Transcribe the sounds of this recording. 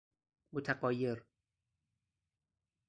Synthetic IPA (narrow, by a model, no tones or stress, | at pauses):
mot̪ʰaqɒːjeɾ